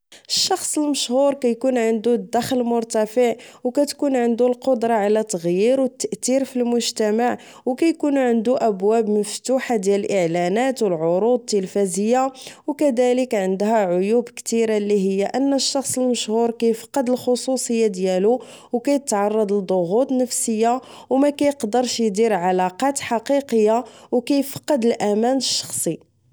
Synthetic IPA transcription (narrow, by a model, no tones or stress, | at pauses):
əʃːɑxsˤəlməʃhuɾkæjkunʕənd̪ud̪ːæxlmʊɾt̪æfəʕwkæt̪kunʕənd̪ulqod̪ɾˤɑʕalæt̪ːəɣjiɾwət̪ːəʔt̪iɾfilmʊʒt̪æmaʕ | wkæjkunʕənd̪uʔəbwæbməft̪uħad̪jæləlʔəʕlænæt̪wəlʕoɾud̪̚t̪ːəlfæzəjːawkæd̪æləkʕənd̪ɦæʕʊjubkt̪iɾalːiɦəjːaʔənːəʃːɑxsˤəlməʃhuɾkæjfɑ̥qːɑd̪əlxosˤusˤəjːad̪jælu | wkæjt̪ʕɑrˤːɑd̪ˤəd̪ˤoɣut̪ˤnəfsəjːa | wmækæjəqd̪əɾˤʃjd̪iɾʕalɑqɑt̪ħɑqiqəjːawkæjfɑ̥qːɑd̪əlʔæmænəʃːɑ̥xsˤi